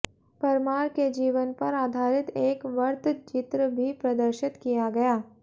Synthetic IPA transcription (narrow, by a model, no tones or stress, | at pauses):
pɐɾmaːɾked͡ʒiːʋənpɐɾaːd̪ʱaːɾɪt̪eːkʋɐɾt̪ʰt͡ʃɪt̪ɾəbʱipɾɐd̪əɾʃɪt̪kijaɡɐjaː